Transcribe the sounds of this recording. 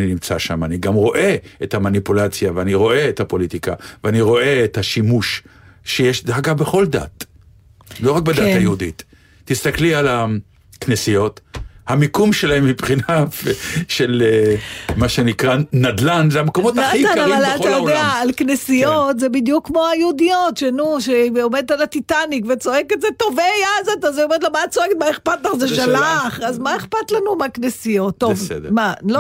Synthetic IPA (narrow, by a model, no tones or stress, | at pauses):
ninimt͡saʃa̰maniɡamʁo̞ʔe̞ethamanipulat͡sjaveaniʁo̞e̞ethapo̞lit̪ikaveaniʁo̞ʔe̞ethaʃimuʃʃejeʃd̪aɡabeχo̞ld̪a̰t̪ | lo̞ʁak̚bedat̪ajeud̪itː | ist̪akliala | knesijo̞t̪hamikumʃelahemːipχinafʃelemaʃenikʁanad̪lanzeamkomot̪aadianavalaltajod̪eaːlknesijotzebid̪jukːmo̞ajeudijo̞tʃenuʃeomed̪t̪alat̪itanikvet͡so̞eketzeto̞vejazot̪azeomed̪lomatt͡soeket̪maeχpat̪laχzeʃalaχazmaeχpat̪lanumaknesijo̞tːovdmalo